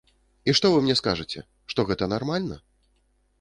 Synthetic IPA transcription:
iʂt̪ɔvɨmnʲɛskaʐɨt͡sʲɛ̰ | ʂt̪ɔɣɛt̪ɐnarmalʲnɐ

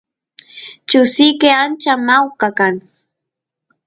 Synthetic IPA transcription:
t͡ʃʊsɪjkɪant͡ʃamawqɑkaŋ

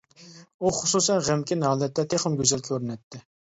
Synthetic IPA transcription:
uχʊsusɛnʁæmkʲinɑːlɛt̪ʰːɛt̪ʰeχəmɡʲøzɛlkʲʰøɾynɛt̪ʰːɪ

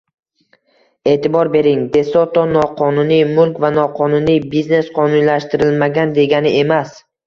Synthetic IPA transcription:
e̞ːt̪ʰɪbɒɾbe̞ɾɪŋd̪e̞sɒt̪ɒnɒqʰɒnʊnijmʊlˠkʲvanɒqʰɒnʊnijbizne̞sqʰɒnʊnlaʃt̪ɪɾɪlmaɡʲand̪e̞ɡʲanɪe̞mas

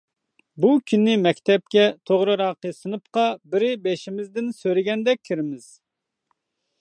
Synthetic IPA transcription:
bukʲʰynːɪmɛkʲt̪ʰɛp̚kʲɛt̪ʰoʁɾɨɾɑːqəsɨnɨpqɑbɪɾɪbeʃimɪzd̪ɪnsøɾɪɡʲɛnd̪ɛk̚ʲʰːiɾɪmɪz̥

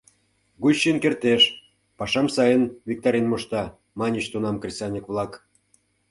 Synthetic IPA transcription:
ɣuɕinkert̪eʃ | pɑʃɑmsɑjənvʲik̚t̪ɑɾʲinmoʃt̪ɑ | mɑnʲəɕt̪unɑmkrʲisɑnʲikβlˠɑk

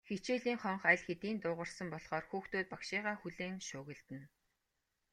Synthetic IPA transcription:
xet͡ɕeːɮiːŋχɔɴχæɮxet̪iːnt̪ʊːʁə̆rsə̆mpɔɮχɔːrxuːxt̪oːt̪̚pakʃiːʁaːxuɮeːŋʃʊːɣɘ̆ɮt̪ɘ̆n

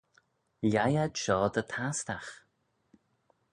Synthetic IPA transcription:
lʲajaʃɔːd̪ət̪ʰast̪ax

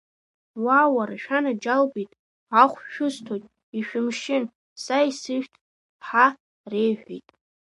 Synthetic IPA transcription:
waːwaraʃᶣanad͡ʒalbijtʼ | aχʷʃᶣʊztʰojtʼ | iʃᶣʊmʃɪn | saisɨʃᶣtʰʼ | ħa | rejħʷᶣḭtʼ

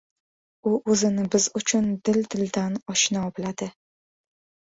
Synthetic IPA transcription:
ʊʔɵzɪnɪbɪzʊt͡ʃʰʊnd̪ɪld̪ɪld̪anɒʃnɒbɪlad̪ɪ

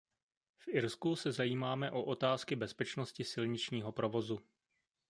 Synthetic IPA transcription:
fʔɪɾskusɛzajiːmaːmɛʔoʔot̪aːskɪbɛspɛt͡ʃnoscɪsɪlɲɪt͡ʃɲiːɦo̞pɾo̞vo̞zu

